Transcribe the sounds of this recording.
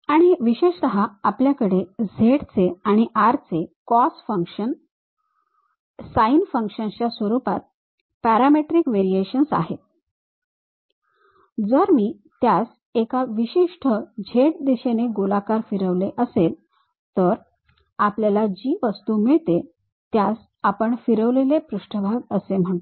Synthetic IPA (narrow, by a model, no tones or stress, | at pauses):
aɽ̃iʋiɕeʂt̪əɦaapljakəɽed͡zʱeɽt͡seaɽ̃iʔaɾt͡sekɔsfəŋkʂən | sainfəŋkʂənt͡ɕjasʋəɾupa̰t̪̚ | pæɾameʈɾikʋeɾieɕənsa̰ɦet̪̚ | d͡zəɾmiː | t̪jas | ekaʋiɕiʂʈʰəd͡ʑʱeʈ̚d̪iɕeneɡolakaɾfiɾəʋleʔəsel | t̪əɾ | apljalad͡ʑiːʋəst̪umiɭt̪e | t̪jas | apəɳfiɾəʋlelepɾuʂʈʰəbʱaɡəsem̤əɳt̪o